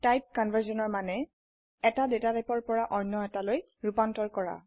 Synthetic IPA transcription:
tajp̚kɔnvʱəɹsɔnɔɹmanɛ | ɛtadetatajpɔɹpɔɹaʔɔjnːɔɛtaloj | ɹupantɔɹkɔɹa̰

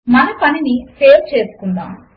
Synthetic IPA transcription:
mɐnɐpɐninipʰe̞ːɾt͡ʃe̞ːsu̥kund̪a̰ːm

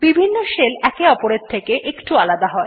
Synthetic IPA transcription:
bibʱinːoʃelɛkeɔpoɾeɾt̪ʰekeʔekʈualad̪aɦɔe

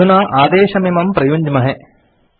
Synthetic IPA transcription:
unaːʔaːd̪eːʃɐmimɐmpɾɐjuɲd͡ʒmɐɦe

